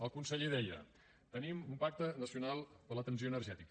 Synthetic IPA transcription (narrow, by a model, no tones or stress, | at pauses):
əlˠkunsəʎiðɛʎə̰ | t̪ənimumpak̚t̪ənəsiunalˠpələt̪əns̬ioənərʒɛt̪ikə